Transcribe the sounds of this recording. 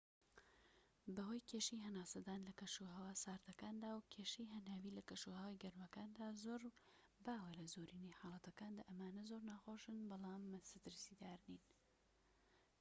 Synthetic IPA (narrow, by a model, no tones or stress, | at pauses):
bɐɦoːjkʰeːʃijɦɐnaːsɐd̪aːnlɐkɐʃuɦɐwaːsaːɾt̪ɐkaːnd̪aːwkʰeːʃijɦɐnaːwiːlɐkɐʃuːhɐwajɡɐɾmɐkaːnd̪aːzoːɾ | baːwelɐzoːɾiːniħɑːlˠɐt̪ɐkaːnd̪aːʔɐmaːnɐzoɾnaːxoːʃɨnbɑlˠɑːmːsɨt̪ɨɾsiːd̪aːɾniːn